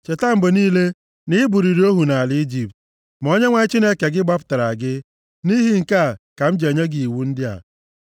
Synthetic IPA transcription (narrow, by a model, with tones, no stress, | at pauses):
t͡ʃe˨ta˦m̩˨bʊ˨niː˦le˦ | nɪ˦bu˨ɾi˨ɾi˨˦o˦ɦu˨na˨lɪ˦i˦d͡ʒi˨p̚t̚ | m˨o˦ɲe˦ŋʷa˦ɪ˦t͡ʃi˦ne˦ke˨ɡɪ˦ɡ͡ba˦pʊ̥˨ta˨ɾa˨ɡɪ˦ | ni˦ɦi˦ŋ̩˨ka˦˨ka˨m̩˦d͡ʒe˨o˨ɲe˦ɡi˨i˨wu˦n̩˦dɪ˦a̰˨